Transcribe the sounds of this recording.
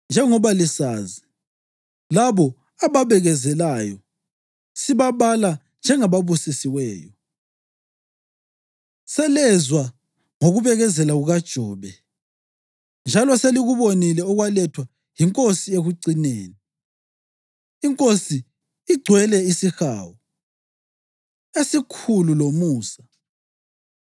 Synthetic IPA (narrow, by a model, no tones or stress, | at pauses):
nd͡ʒʱɛŋɔβalisaːzi | laβɔ | aβaβɛɣɛzɛlajɔ | siβaβala | nd͡ʒʱɛŋaβaβusisiwɛːjɔ | sɛlɛzwa | ŋoɣuβɛɣɛzɛlaɣuɣad̥ʒ̥ʱɔːβɛ | nd͡ʒʱalɔseliɣuβonilɛɔɣwalɛtʰwa | jiŋkʼosieɣuǀineːni | iŋkʼosiː | ɡ͡ǀʱwɛlɛisixa̰ːwɔ | esikʰululomuːsḁ